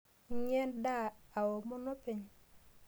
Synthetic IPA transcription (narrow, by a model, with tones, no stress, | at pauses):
ɲe˦nda˦˨a˨wo˨mo˦no˦pe˨ɲ